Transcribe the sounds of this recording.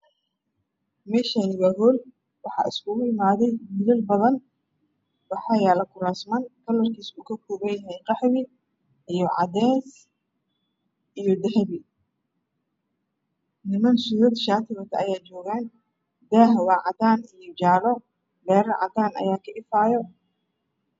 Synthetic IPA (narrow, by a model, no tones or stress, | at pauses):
mɛːʃanɪɣɐɦɔl | wɑħɑ̰ʔɪ̰skʰʊɣʊɪmaːðɛjmɪðɐlbɐðɐn | wɑħɑjaːlɐkʰʊɾaːsmɐnkʰɐlɐrkʰiːsuːkʰɐkʰɔːβɐnjɐɦɛjqɑħwɪ | ijɞʕɑ̰d̪ɛːs | ʔijɔd̪ɛhβɪ | nɪmɐnsuːɾɐd̪ʃaːt̪ʰɪɣɐt̪ʰɐɐjaːt͡ʃɔːɣaːn | d̪aːɦwɑːʕɑd̪aːnijɔt͡ʃaːlɔ | bɛːɾɐʕɑ̰d̪aːnʔɐ̰jaːkʰɐʔɪfaːjɔ